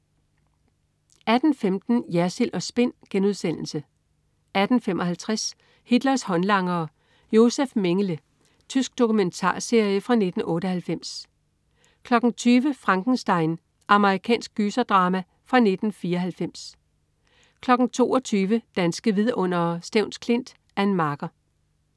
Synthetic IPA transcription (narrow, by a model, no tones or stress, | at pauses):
æd̥n̩femd̥n̩jæɐselʔɒ̽sb̥e̝n̰ɡ̥enuð̞ˠsen̰l̩sə | ʔæd̥n̩fem̰ɒ̽hælt͡sʰʁas | hid̥lɐshɒ̽nlɑ̈ŋɐː | jo̝sefme̝ŋələ | t͡sʰysɡ̥̚d̥o̝kument͡sʰɑ̰̈ːse̝ɐjəfʁɑ̈ne̝d̥n̩ɔ̽ːɾəhælfem̰s | kʰlɒ̽ɡ̥n̩t͡sʰyːʋəfʁɑ̈ŋɡ̥n̩sd̥ɑ̈ɪ̰n | ʔɑ̈məʁikʰɛ̰ːnsɡ̥̚ɡ̥ysɐd̥ʁɑ̈ːmæ | fʁɑ̈ne̝d̥n̩fiːɐɦælfem̰s | kʰlɒ̽ɡ̥n̩t͡sʰo̝̰ːɒt͡sʰyːʋəd̥ænsɡ̥əʋiðˠɔ̽n̰ɐsd̥eʊ̰nskʰle̝n̰d̥ | æɐe̝nmɑ̈ːɡ̥ɐ